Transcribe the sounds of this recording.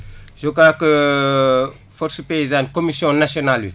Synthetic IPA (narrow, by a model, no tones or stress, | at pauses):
ʒokaːkə | fɔɾsəpeizãnkomisjɔ̃nasjonalwḭ